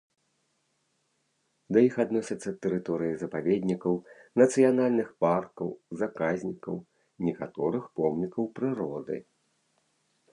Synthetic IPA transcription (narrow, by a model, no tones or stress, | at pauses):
d̪ɐjixad̪nɔsʲɐt̪sːɐt̪ːɛɾɨt̪ɔɾɨjizɐpavʲed̪ʲnʲikɐwnɐt̪sɨjanalʲnɨxparkɐwzakazʲnʲikɐw | nʲɛkat̪ɔɾɨxpɔmnʲikɐwpɾɨɾɔd̪ɨ̰